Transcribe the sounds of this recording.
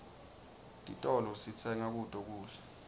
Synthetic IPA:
tʼḭtʼɔlɔsit͡sʰɛŋak̬ud̥ʱʼɔk̬uːɮɛ̥

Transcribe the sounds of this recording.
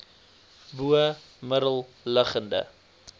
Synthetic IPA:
buə | məɾəlˠ | ləχəndə̰

